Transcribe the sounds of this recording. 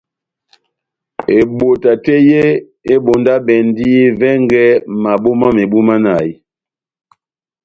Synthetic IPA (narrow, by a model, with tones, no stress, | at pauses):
e˨ɓo˨ta˨te˦je˦ | e˦ɓo˨nda˦ɓɛ˨n˦di˦vɛ˦ŋɡɛ˦ma˨ɓo˦ma˦me˨ɓu˦ma˦na˨i˦